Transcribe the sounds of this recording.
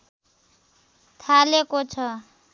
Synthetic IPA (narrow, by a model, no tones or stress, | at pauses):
t̪ʰalekot͡sʰʌ